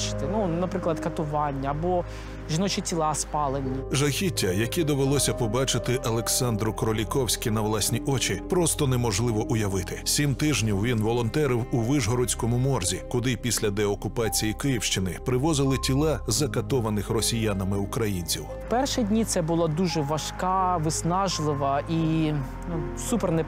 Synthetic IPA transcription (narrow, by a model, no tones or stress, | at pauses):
t͡ʃɪ̥t̪ɪnunɐpɾɪklˠɐd̪kɐt̪ʊʋɑnʲːɐːbɔ | ʒʲinɔt͡ʃɪtʲilˠɑspɑlˠenʲːiʒɐxʲitʲːɐjɐkʲid̪ɔʋelˠɔsʲɐpɔbɑt͡ʃɪt̪ɪʔɐlˠeksɑnd̪ɾʊkɾɔlʲikɔwsʲkʲɪnɐʋlˠasʲnʲiʔɔt͡ʃʲipɾɔst̪ɔnɛmɔʒlˠɪʋɔʔʊjɐʋɪt̪ɪsʲimt̪ɪʒnʲiwʋʲinʋɔlˠɔnt̪ɛɾɪwʊʋɪʒɦɔɾɔt͡sʲkɔmʊmɔrzʲikʊd̪ɪpʲisʲlʲɐd̪ɛɔkʊpɑt͡sʲijikɪjiwʃt͡ʃɪnɪpɾɪʋɔzɪlˠɪtʲilˠɑzɐkɐt̪ɔʋɐnɪxrɔsʲijanɐmɪʊkɾɐjinʲt͡sʲiwwpɛrʃidʲnʲit̪sɛbʊlˠad̪uʒɛʋɐʃkɑʋɪsnɑʒlˠɪʋɐʔi | u | supɛrnɛ